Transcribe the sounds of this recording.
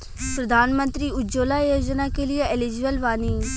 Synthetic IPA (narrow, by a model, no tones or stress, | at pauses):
pɾəd̪ʱaːnmə̃nt̪ɾiːʊd͡ʒoːlaːjoːd͡ʒnakelijeɪlɪd͡ʒʋəlʋaːniː